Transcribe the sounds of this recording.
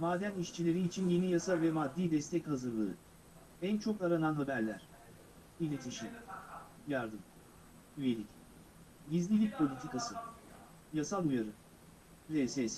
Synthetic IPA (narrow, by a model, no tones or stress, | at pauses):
maːd̪ɛniʃt͡ʃʰilʲe̞ɾiːt͡ʃʰinje̞nijasavɛmad̪ːiːd̪ɛst̪ʰɛchazɯɾlˠaɾɯ̰ | ænt͡ʃʰo̞kaɾananɦabæɾlʲæɾ̥ | ilʲe̞t̪ʰiʃi | jaɾd̪ɯm | yjelʲic | ɟizlʲilʲic̚pʰo̞lʲit̪ʰikasɯ | jasalˠujaɾɯ | zɛsɛs